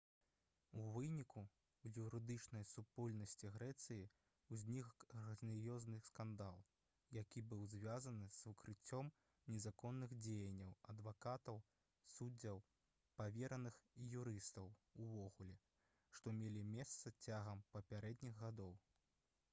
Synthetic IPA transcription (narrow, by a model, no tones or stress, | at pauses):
uvɨnʲiku | juɾɨd̪ɨt͡ʂnɐjsupɔlʲnɐsʲt͡sʲiɣɾɛt̪sɨji | uzʲnʲixrɐzʲnʲijɔznɨskand̪alˠ | jakʲibɨwzʲvʲazɐnɨz̥vɨkɾɨt͡sʲːɔm | nʲɛzakɔnːɨɣd͡zʲejɐnʲːɐwɐd̪vakat̪ɐw | sudd͡zʲːɐw | pavʲɛɾɐnɨxijuɾɨst̪ɐwuvɔɣulʲɛ | ʂt̪ɔmʲelʲimʲɛst̪sɐt͡sʲaɣɐmpɐpʲaɾɛd̪nʲiɣːad̪ɔw